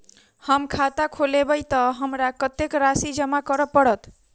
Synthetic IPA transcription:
həmkʰat̪akʰolebəjt̪ʌɦəmɾakət̪ekɾasid͡ʒəmakəɾəpːəɽət̪

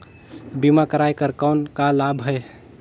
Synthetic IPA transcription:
bimakəɾajkəɾkankalabʱɦəj

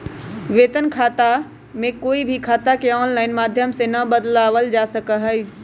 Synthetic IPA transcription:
ʋeːt̪ənkʰaːt̪a | mẽkoːibʱikʰaːt̪akeɔːnlaːɪnmaːd̪ʱjəmsenɐbəd̪laːʋəld͡ʒaːsəkəɦɛi

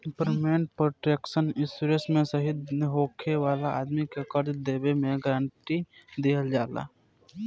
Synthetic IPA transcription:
pəɾmeːɳʈ̚pɾoːʈɾeːkʃənɪsuɾesmẽsəɦɪd̪nɪɦoːkʰeʋaːlaa̰ːd̪mikekəɾd͡ʒd̪eːbemẽɡɾãːɳʈid̪eːɦəld͡ʒaːla̰ː

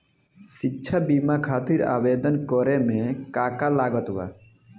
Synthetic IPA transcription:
sitːʃʰabimakʰaːt̪iɾa̰ːbed̪ɔnkɔɾemẽkakalaɡɔt̪ba̰

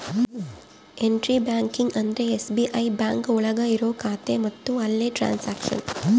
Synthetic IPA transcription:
eɳɖɾiːbaːŋkɪŋɡɐnd̪ɾeesbiʔɐɪbaːŋkʊɭɐɣɐɪɾoːkaːt̪ːeːmɐt̪ːũɐlːeʈɾa̰ːnsaːkʂɐ̰n

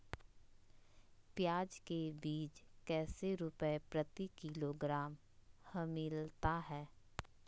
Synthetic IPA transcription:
pjaːd͡ʒkebiːd͡ʒkɛːseɾʊpəepɾət̪ikɪloɡɾaːm | həmɪlt̪aɦɛː

